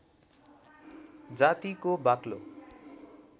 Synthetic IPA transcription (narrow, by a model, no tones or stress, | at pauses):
d͡zat̪ikobaklo̰